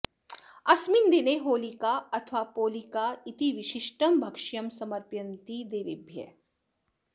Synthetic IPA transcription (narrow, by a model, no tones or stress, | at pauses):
ɐsmind̪ineɦoːlikaɐt̪ʰʋapoːlikait̪iʋɪʃɪʃʈɐmbʱɐkʃjɐmsɐmɐɾpjɐnt̪id̪eːʋɪbʱjə̰